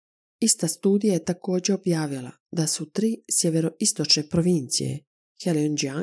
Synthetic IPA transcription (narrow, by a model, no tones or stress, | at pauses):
ist̪ast̪uːd̪ijajet̪ako̞ːd͡ʑe̞o̞bjaːʋilˠa̰ | d̪asut̪ɾiːsjeʋeɾo̞ʔist̪o̞t͡ʃne̞pɾoʋint̪sḭje̞̰ | xeliond͡ʒia